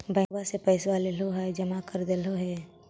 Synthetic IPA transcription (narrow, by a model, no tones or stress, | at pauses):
bʱə̃basepəɪswaleloɦɛd͡ʒəmakəɾd̪eloɦɛ